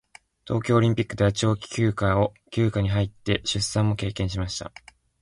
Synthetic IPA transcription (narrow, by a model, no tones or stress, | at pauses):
t̪o̞ːkʲo̞ːɾʲĩmpʲikːɯ̟d̪eβat͡ɕio̞ːkʲi̥kʲɨːkao̞kʲɨːkaɲ̟iɦait̪ːe̞ɕɨsːãmːo̞ke̞ːkẽ̞ɰ̃ɕ̬imaɕi̥t̪a̰